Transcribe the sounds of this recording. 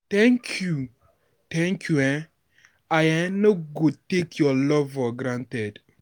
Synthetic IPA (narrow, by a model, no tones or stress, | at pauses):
t̪ɛŋkʰju | t̪ɛ̃ŋkʰjuɛ̃ | ajɛnoɡotekʰjɔlɔvɔɡɾãntɛd